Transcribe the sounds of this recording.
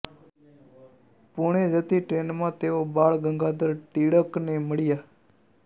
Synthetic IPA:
puɳeːd͡ʒət̪iːʈɾeːnmãːt̪eːoːbaːɭɡəŋɡaːd̪əɾʈiːɽəkneːməɽɪjaː

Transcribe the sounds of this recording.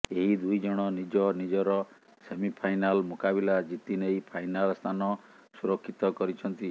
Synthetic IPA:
eɦid̪ujd͡ʒɔɽ̃ɔnid͡ʒɔnid͡ʒɔɾɔ | semipʰajnalmokabilad͡ʒit̪inejpʰajnalst̪ʰanɔ | suɾɔkʰːit̪ɔkɔɾit͡ʃʰɔnt̪i

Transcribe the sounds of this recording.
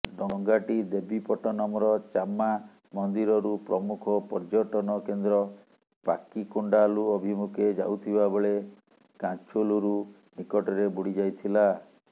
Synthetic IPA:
ɖɔŋɡaʈid̪ebʱipɔʈɔnɔmɔɾɔt͡ʃamːa | mɔnd̪iɾɔɾupɾɔmukʰɔpɔɾd͡ʒɔʈɔnɔkend̪ɾɔ | pa̰kikuɳɖaluɔbʱimukʰed͡ʒawt̪ʰibabeɭe | kat͡ʃoluɾu | nikɔʈɔɾebuɽid͡ʒajt̪ʰila

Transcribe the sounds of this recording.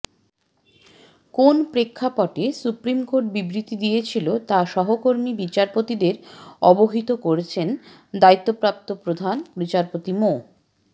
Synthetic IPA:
konpɾekʰːapɔʈesupɾimkoɾʈ̚bibɾit̪id̪ijet͡ɕʰilot̪aʃɔɦokoɾmibit͡ɕaɾpot̪id̪eɾɔboɦit̪okoɾet͡ɕʰen | d̪ait̪ːopɾap̚t̪opɾod̪ʱanbit͡ɕaɾpot̪imo

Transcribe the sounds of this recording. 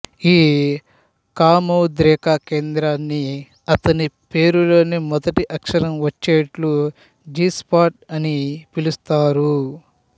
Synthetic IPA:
iː | kaːmɐwd̪ɾɛːkaːke̞ːnd̪ɾaːnːi | ɐt̪ɐnipe̞ːɾulo̞ːnimɔd̪ɐʈiʔɐkʂɐɾɐmʋɐt͡ʃːeːʈlu | d͡ʒiːspaːʈɐnipilust̪aːɾu

